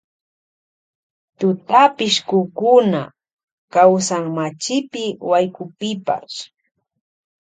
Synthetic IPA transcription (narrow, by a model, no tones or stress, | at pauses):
t̪ʊt̪apɪʃkʊkʊna̰ | kawsaŋmat͡ʃɪpɪwajkʊpɪpa̰ʃ